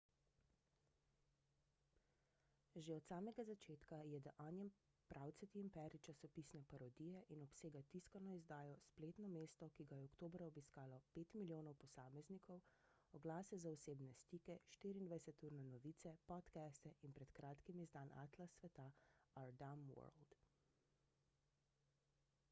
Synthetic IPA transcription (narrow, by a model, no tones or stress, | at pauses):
ʒeɔt̪saːmɛɡazat͡ʃeːt̪kajɛd̪aʔaːnjɛm | pɾʔaːwt̪sɛt̪iimpɛɾit͡ʃasɔpiːsnɛpaɾɔd̪iːjɛʔinɔpseːɡat̪iskanɔizd̪aːjɔspleːt̪nɔmeːst̪ɔkiɡajɛɔkt̪oːbɾaɔbiskaːlɔpeːt̪miljoːnɔwpɔsaːmɛznikʰɔw | ɔɡlaːsɛzaɔseːbnɛst̪ikɛʃt̪iɾiːnd̪ʋajsɛt̪uːɾnɛnɔʋiːt̪sɛpɔt̪kɛst̪ɛʔinpɾɛt̪kɾaːt̪kimizd̪aːna̰t̪lasʋɛt̪aaɾd̪amwɔ̰ɾld̪